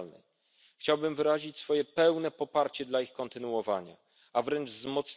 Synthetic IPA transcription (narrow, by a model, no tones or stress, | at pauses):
lnɛ̰j | xt͡ɕawbɘmvɘɾaʑit͡ɕsfɔjɛpɛwnɛpɔpaɾt͡ɕɛd̪laixkɔnt̪ɘnuwɔva̰ɲa̰ | avɾɛnd͡ʐzmɔt̪s